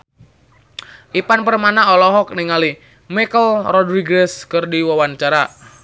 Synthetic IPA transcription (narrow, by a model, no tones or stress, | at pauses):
ʔipanpərmanaɔlɔɦɔk̚niŋali | mikəlrɔdɾiɡɾɛskɨrdiwawant͡ʃaɾa